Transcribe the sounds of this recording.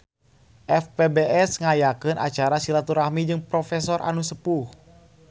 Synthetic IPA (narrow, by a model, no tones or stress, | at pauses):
ʔɛfpebeʔɛsŋajakɨnʔa̰t͡ʃaɾasilat̪uɾahmid͡ʒɨŋpɾɔfɛsɔrʔa̰nusəpuh